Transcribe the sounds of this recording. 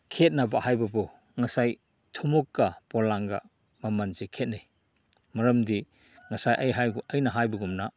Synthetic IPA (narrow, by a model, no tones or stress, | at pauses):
kʰet̚nɐbahajbɐbu | ŋɐsaj | tʰumukːɐpɔlaŋɡɐ̰ | mɐmɐnzikʰet̚nij | mɐɾɐmdi | ŋɐsajʔɐjɦajɡuʔɐjnɐɦajbɐɡumnɐ